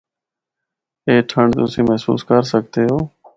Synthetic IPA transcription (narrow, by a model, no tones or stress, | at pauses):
eːʈʰəɳɖt̪ʊsĩːməɦsṵːskəɾsək̚t̪eːɦoː